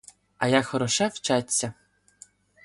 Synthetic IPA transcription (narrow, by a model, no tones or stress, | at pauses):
ɐjaxɔɾɔʃɛwt͡ʃat͡sʲːɐ